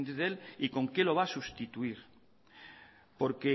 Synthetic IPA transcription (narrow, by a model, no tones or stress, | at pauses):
nt̪eðeliko̞ŋkelo̞β̞asust̪it̪uiɾ | po̞ɾke